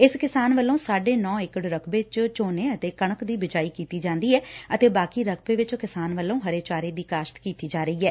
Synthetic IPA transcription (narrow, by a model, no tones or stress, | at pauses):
ɪskɪsaːnʋəlːõːsaːɖeːnɔ̃ːɪkɽɾəkʰbeːt͡ʃt͡ʃoːneːət̪eːkəɳəkd̪iːbɪd͡ʒaːiːkiːt̪iːd͡ʒãːnd̪iːɛːət̪eːbaːkiːɾək̚ʰbeːʋɪt͡ʃkɪsaːnʋəlːõːɦəɾeːt͡ʃaːɾeːd̪iːkaːʃt̪kiːt̪iːd͡ʒaːɾəiːɛː